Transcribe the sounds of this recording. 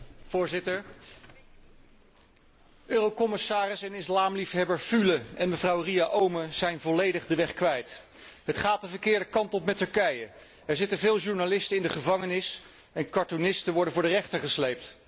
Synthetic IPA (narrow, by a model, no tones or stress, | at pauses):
v̥ʊːɹzɪtəɹ | øːrokɔmɪsaːrɪsɛnɪslaːmlifɦɛbəɹfyləɛnməvrɑwriaʔowməzɛjnvɔlejdəχdəʋɛχkʋɛjt | ɦətχaːt̚dəvəɹkɪːɹdəkɑntɔpmɛtɵɹkɛjə | ɛɹzɪtənvɪːlˠʒuɹnalɪstəɪndəχəvɑŋənɪs | ɛnkɑɹtonɪstəʋɔɹdənvʊːɹdərɛχtəɹχəslejp̚t